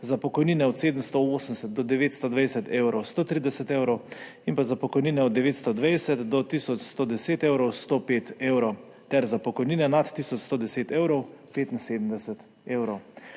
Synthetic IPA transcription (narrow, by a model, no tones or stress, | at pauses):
zapɔkɔjniːnɛɔt̪seːd̪əm̩st̪ooːsənɛsɛt̪̚d̪ɔd̪ɛʋeːt̪st̪od̪ʋɛjsɛt̪ewɾɔwst̪oːt̪ɾiːd̪ɛsɛt̪ewɾɔw | inpazapɔkɔjninɛɔd̪̚ːɛʋeːt̪st̪ɔd̪ʋɛjsɛt̪d̪ɔt̪isɔt͡ʃst̪od̪ɛseːt̪ewɾɔwst̪oːpeːt̪ewɾɔw | t̪ɛɾzapɔkɔjninɛnat̪ːisɔt͡ʃst̪od̪ɛseːt̪ewɾɔwpeːt̪inseːd̪əm̩d̪ɛsɛt̪ | eːwɾɔw